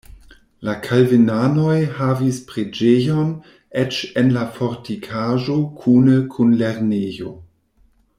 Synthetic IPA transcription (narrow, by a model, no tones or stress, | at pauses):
lakʰalvenanojhavispɾed͡ʒejon | et͡ʃenlafoɾtikʰaʒo̞kʰunekʰunleɾnejo̰